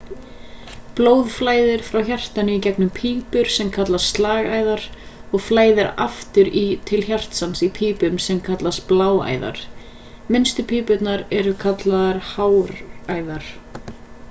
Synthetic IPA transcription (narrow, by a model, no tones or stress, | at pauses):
ploːwðflaːjðɪɾ̥fɾawçar̥t̪anɪicɛknʏmpʰiːpʏɾ̥sɛmkʰat̪last̪st̪laːɣaːjðaɾɔɣflaːjðɪɾa̰ft̪ʏɾit̪ʰɪlçar̥t̪sansipʰiːpʏmsɛmkʰat̪last̪plaːwa̰ːjða̰ɾ̥ | mɪnst̪ʏpʰiːpʏt̪naɾɛɾʏkʰat̪laðaɾ̥haːwɾaːjðaɾ̥